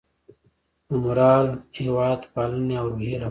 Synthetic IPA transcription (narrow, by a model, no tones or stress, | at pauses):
umuɾaːliwaːt̪paːlneoːɾbʱiɾɐ